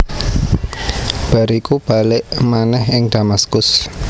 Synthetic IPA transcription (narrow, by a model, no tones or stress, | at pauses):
b̥a̤ɾikub̥a̤lɪʔmanɛhɪŋd̥amaskʊs